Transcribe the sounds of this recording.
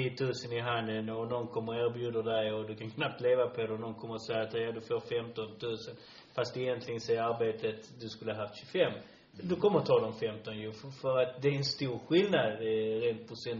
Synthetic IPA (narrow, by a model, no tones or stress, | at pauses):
iːt̪ʰʉ̟ːsənɪɦand̪ənɔnɔnkʰɔmːəɾæːɾbjʉːd̪əd̪ɛjɔd̪ɵkʰansnap̚t̪leːvapʰɔd̪ɛnɔnkʰɔmːəɾsɛjat̪ɛjad̪ɵfoːɾfɛmt̪ɔnt̪ʰʉ̟ːsən | fast̪ɛjɛnt̪ʰlɪɡənsɛəɾaɾbeːt̪ət̪d̪ɵskɵləhaɦaft̪ɕɵfɛmː | d̪ɵkʰɔmːəɾt̪ʰɑːd̪ɔmfɛmt̪ɔnjɵfœɾat̪̚d̪ɛæɾɛnst̪uːɾɧɪlnad̪ɾeːnt̪̚pʰɔsɛn